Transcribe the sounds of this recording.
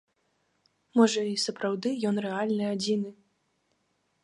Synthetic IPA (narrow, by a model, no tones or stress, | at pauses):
mɔʐɐisɐpɾawd̪ɨjɔnrɛalʲnɨad͡zʲinɨ